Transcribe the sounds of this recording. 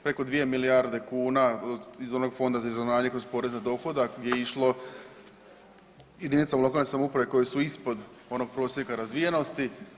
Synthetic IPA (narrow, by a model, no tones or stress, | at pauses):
pɾe̞ko̞d̪ʋije̞milijaɾd̪e̞kuːnaizo̞no̞ɡfo̞nd̪azaizonaːɲekɾo̞zpo̞ːɾe̞znad̪o̞xo̞d̪aɡjʲeiʃlo̞ | jed̪init̪samulo̞kalne̞samoupɾaʋeko̞jesuispo̞d̪ | o̞no̞ɡ̚pɾo̞ːsjekaɾazʋijeno̞st̪i